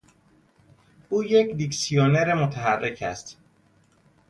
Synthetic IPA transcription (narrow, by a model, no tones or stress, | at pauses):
ʔuːjecd̪iksijoneɾemot̪ʰæɦærːecʰæ̰st̪